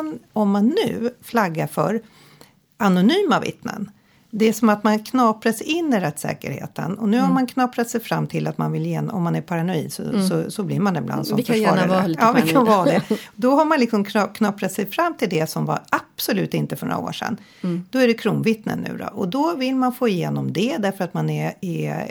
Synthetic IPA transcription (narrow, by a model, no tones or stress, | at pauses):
nɔmːanːʉ̟ːflaɡːaɾfœɾ | anʊnyːmavɪ̰t̪nə̰n | d̪ɛæʂɔmat̪mankʰnɑːpɾasɪnːɪɾɛt̪ːsɛ̰ːkə̰ɾhḛːt̪ə̰nɔnʉ̟ːhaɾmankʰnɑːpɾat̪sɛjfɾamːt̪ʰɪlat̪manvɪljeːnɔ̰mːanæɾpʰaɾanɔḭːd̪sɔ̰sɔsɔblɪːɾmand̪ɛɪbla̰nd̪sɔmfəɑːɾaɑːvɪkʰanvɑːd̪ɛd̪ɔɦaɾmanlɪksɔmkʰnɑkʰnɑːpɾat̪sɛjfɾamːt̪ʰɪld̪ɛsɔmva̰apsɔlʉ̟ːt̪ɪnt̪əfœɳɔ̰ɾa̰o̰ːʂɛ̰nː | d̪̥ɔæɖɛkʰɾuːnvɪt̪nə̰nːʉ̟̰ːd̪ɔ̰ʔɔd̪ɔvɪlmanfoːɪjeːnɔmd̪ɛd̪æɾfœɾat̪manɛɛ